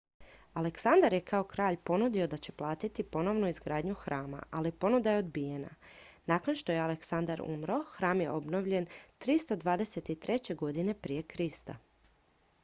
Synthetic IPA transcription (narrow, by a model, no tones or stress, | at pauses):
aleksand̪aɾje̞kao̞kɾaːʎpo̞nud̪io̞d̪at͡ɕe̞plˠaːt̪it̪ipo̞no̞ʋnuizɡɾaːd̪ɲuxɾaːma̰ʔalipo̞nud̪ajeo̞d̪bije̞na̰naːkonʃt̪o̞je̞aleksand̪aɾṵmɾoxɾaːmje̞̰ʔo̞bno̞ʋʎe̞nt̪ɾist̪o̞d̪ʋaːd̪e̞se̞t̪it̪ɾe̞t͡ɕe̞ɡo̞d̪ine̞pɾije̞kɾist̪a̰